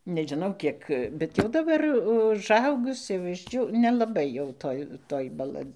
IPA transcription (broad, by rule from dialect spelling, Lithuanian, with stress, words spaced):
nʲɛʒʲɪˈnɐʊ ˈkʲiɛk bʲɛt jɛʊ dɐˈbɐr ʊʒˈɐʊɡʊs jɛʊ ɪʒʲˈd͡ʒʲuː nʲɛlˠɐˈbɐɪ jɛʊ ˈtoːj ˈtoːj bɐˈlˠɐ